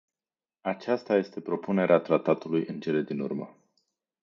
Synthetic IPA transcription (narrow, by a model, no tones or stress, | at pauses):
at͡ʃast̪aje̞st̪e̞pɾo̞pune̞ɾʔeat̪ɾat̪at̪ulujɨnt͡ʃe̞le̞d̪inṵrmə̰